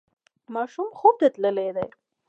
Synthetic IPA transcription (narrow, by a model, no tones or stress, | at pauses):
mɑʃumxub̚d̪et̪ləled̪ej